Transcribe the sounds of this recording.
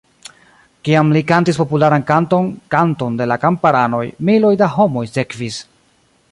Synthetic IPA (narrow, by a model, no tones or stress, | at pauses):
kiamlikantispo̞pulaɾankantonkanto̞nde̞lakampaɾano̞jmilo̞jdaɦo̞mo̞jse̞kvis